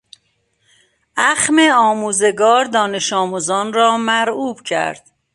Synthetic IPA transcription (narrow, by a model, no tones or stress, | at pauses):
ʔæxmeɒːmuːze̞ɡɒːɾd̪ɒːne̞ʃɒːmuːzɒːnrɒːmæɾuːb̥cʰæ̰ɾd̪̥